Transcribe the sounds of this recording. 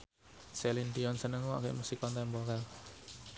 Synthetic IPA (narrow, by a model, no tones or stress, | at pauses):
selind̪iɔnsənəŋa̰kḛʔmusikɔnt̪ɛmbɔɾɛl